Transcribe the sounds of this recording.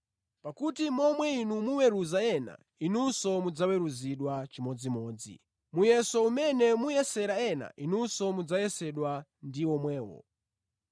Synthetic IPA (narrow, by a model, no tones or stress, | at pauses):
pakutimɔmwɛinumuwɛɾuzaɛna̰ | inusɔmud͡zawɛɾuziɗwat͡ʃimɔd͡zimɔːd͡zḭ | mujɛsɔumɛnɛmujɛsɛɾaɛna̰ʔinusɔmud͡zajɛsɛɗwandiɔmwɛːwɔ̰